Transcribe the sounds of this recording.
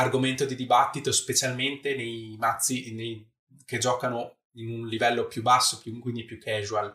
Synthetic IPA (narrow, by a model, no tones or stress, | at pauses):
arɡoment̪od̪id̪ibat̪ːit̪ospet͡ʃalment̪enejmat̪sːinej | ked͡ʒɔːkano | inunlivɛlːopjubːasːopjukwind̪ipjukʰːɛːʒual